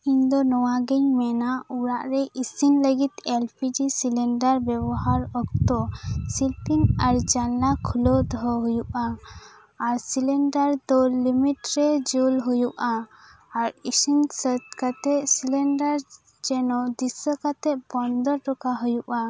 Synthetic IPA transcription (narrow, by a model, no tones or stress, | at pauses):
iɲd̪ɔnɔwaɡɛɲmɛnauɾaʔɾɛʔisinləɡit̪elpʰid͡ʒisilɛɳɖaɾbɛbɔɦaɾɔk̚t̪ɔsilpiŋaɾd͡ʒallakʰulɔd̪ɔɦɔɦujuʔaː | ɾsilɛɳɖaɾd̪ɔlimiʈɾɛd͡ʒulɦujuʔaː | ɾisinsət̪kat̪ɛʔsilɛɳɖaɾ | d͡ʒɛnɔd̪isəkat̪ɛʔ̚bɔnd̪ɔɾɾɔkaɦujuʔa